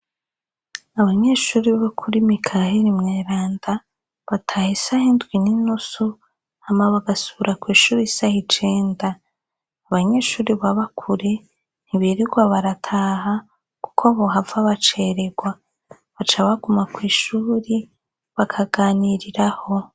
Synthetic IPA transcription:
aβaɲe̞ːʃuːɾiβakʰuɾimikʰaheɾimŋeːɾaːnda | βatʰaːhisahindɡwininusu | hamaβaɡasuβuɾʔakwiːʃuːɾisahit͡ʃe̞ːndaː | βaɲe̞ʃuːɾiβaβakʰuɾe̞ | n̥hiβiɾiɡwaβaɾatʰaːɦa | ku̥kʰoβoɦavaβat͡ʃeɾeɡwa | βat͡ʃaβaɡumakwiːʃuːɾi | βakʰaɡaːniɾiɾaho̞

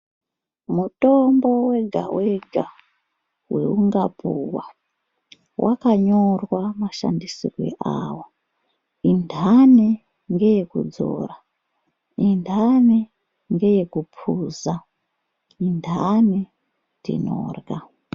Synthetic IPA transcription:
mutombo̞we̞ɡʱa̰weɡʱa | we̞̰uŋɡapʰuwa | wʔa̰kaɲorwamaʃa̰ndisirwḛʔaːwo | indʱane | ŋɡe̞jekṵd͡zo̞̰ra | indʱane | ŋɡe̞jekupʰuza | indʱane | tḭno̰ːrɣa

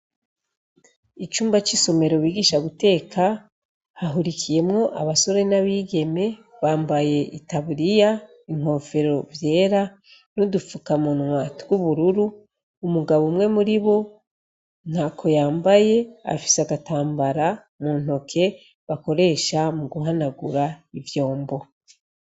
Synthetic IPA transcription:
it͡ʃuːmbat͡ʃiso̞me̞ɾo̞βiːɡiːʃaβute̞ːkʰa | haɦuɾikʰije̞mŋo̞ʔaβaso̞ɾe̞naβiːɡe̞me̞βaːmbaje̞ʔitaβuɾija | iŋ̥ho̞ːfe̞ɾo̞vje̞ːɾa | nodufukamunwatɡuβuɾuɾuː | muɡaβomŋe̞muɾiβo̞ | n̥hakʰo̞jaːmbaje̞a̰fi̥seaɡataːmbaɾa | muːn̥ho̞kʰe̞ | βako̞ɾe̞ːʃamuɡuɦanaɡuɾaivjo̞ːmbo̞

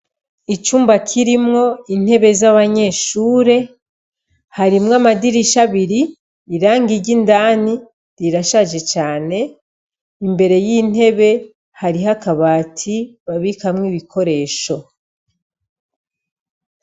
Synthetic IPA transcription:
it͡ʃuːmbakʰiɾimŋo̞in̥he̞βe̞zaβaɲe̞ʃuːɾe̞ | haɾimŋamadiɾiʃaβiɾiː | ɾaːŋɡiɾɟindaːni | ɾiɾaʃaʒe̞t͡ʃaːne̞ | imbe̞ɾe̞jin̥he̞βe̞ | haɾiɦakaβaːtʰiβaβikamŋiβikʰo̞ɾe̞ːʃo̞

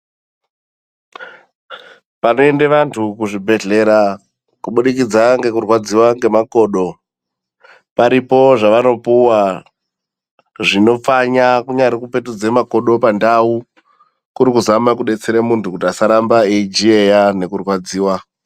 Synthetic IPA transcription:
pano̞endeʋantʰukuʐibʱe̞ɮe̞ɾa | kuɓuɗikid͡zaŋɡe̞kurwad͡ziwaŋɡe̞mako̞ːɗo̞ | paɾipo̞ʐaʋano̞puwa | ʐino̞faɲakuɲaɾikupe̞tud͡ze̞mako̞ɗo̞pandau | kuɾikuzamak̬uɗe̞t͡seɾemuntʰukutiasaɾambaeid͡ʒiejane̞kurwad͡ziːwa

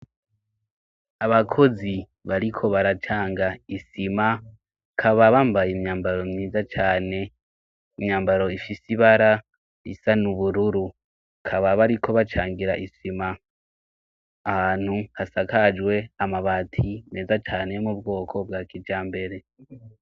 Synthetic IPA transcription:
aβakʰo̞zi | βaɾikʰo̞βaɾat͡ʃaːŋɡaisima | kʰaβaβaːmbajemɲaːmbaɾo̞mɲiːzat͡ʃaːne̞ | imɲaːmbaɾo̞ifisiβaɾa | ḭsanuβuɾuɾu | kʰaβaβaɾikʰo̞βat͡ʃaːŋɡiɾaʔisima | haːn̥huhasakad͡ʒwe̞amaβaːtʰimneːzat͡ʃaːne̞mubɡo̞ːkʰo̞b̚ɡaːkʰid͡ʒaːmbe̞ɾe̞

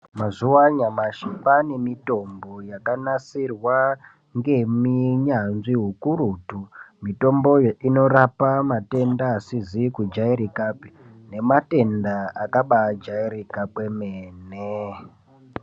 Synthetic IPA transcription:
mazuwaɲamaʃipanemito̞mbo̞jakanasirwa | ŋɡe̞miɲanʐiɦukuɾutumito̞mbo̞ino̞rapamate̞ndaːsizikud͡ʒaiɾikape | ne̞mate̞ndaakaɓad͡ʒaiɾikapwe̞meːne

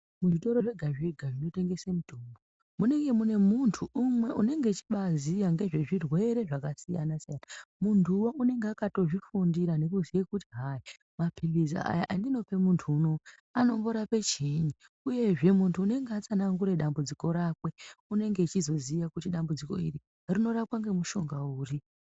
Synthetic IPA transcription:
muʐito̞ɾo̞ʐeɡʱaʐeɡʱaʐino̞te̞ŋɡe̞semutuːmbo | mune̞ŋɡe̞mune̞muntʰuʔumwe̞ʔune̞ŋɡe̞t͡ʃi̥ɓazijaŋɡe̞ʐe̞ʐirwe̞ɾe̞ʐakasija̰nasijanamundʱuwoʔune̞ŋɡeakato̞ʐifundiɾane̞kuziekutiɦai | mapʰiliza̰a̰jaʔandino̞pe̞muntʰuːno̞ | ano̞mbo̞ɾape̞t͡ʃiɲi | uje̞ʐe̞muntʰuːne̞ŋɡeat͡sanaŋɡuɾe̞ɗambud͡ziko̞ɾakwe̞une̞ŋɡe̞t͡ʃizo̞zijakutiɗambud͡ziko̞̰ḭri | rino̞rapwaŋɡe̞muʃo̞ŋɡauːri

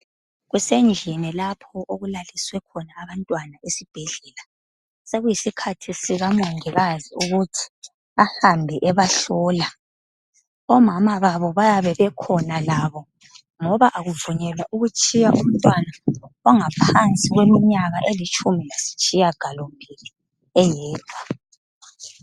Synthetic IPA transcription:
ɣwɛsɛnd͡ʒʱinɛlapʰɔʔoɣulaliswɛkʰɔnaːβantʼwanaesib̥ʱɛɮɛla | seɣujisikʰatʰisiɣamoŋɛɣaziuɣutʰi̥ | ahambʱɛʔɛβaɬɔla | ɔmamaβaβɔβajaβɛβɛkʰɔnalaβɔ | ŋɔβaʔaɣuvuɲɛlwaʔuɣut͡ʃʼijaʔum̩tʼwanaaŋapʰant͡sʼiɣwemiɲaɣaʔelit͡ʃʰʼumilasi̥t͡ʃʼijaɡ̥ʱalombʱili | ɛjɛːd̥ʱwa

